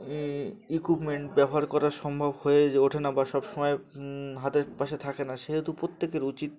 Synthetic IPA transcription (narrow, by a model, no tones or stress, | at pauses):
ikipmeɳʈbɛbʱoɦaɾkɔɾaʃɔmbʱabhoed͡ʑeoʈʰenabaʃɔbʃomɔeɦat̪eɾpaʃet̪ʰakenaʃeɦɛt̪upɾot̪ːekeɾut͡ɕit̪̚